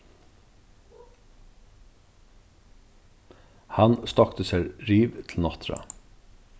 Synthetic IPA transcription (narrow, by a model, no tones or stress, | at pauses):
hɑnst̪ɑkt̪ʰəsæɾɹiːʋt̪ʰl̩nɑt̪ʰɾɑ̰